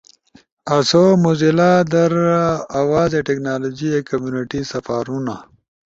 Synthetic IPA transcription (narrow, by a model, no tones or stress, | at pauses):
ɐsomuzilad̪ɐɾawaːzeʈeknaːlod͡ʒiekɐmjuniʈisɐfaːɾuna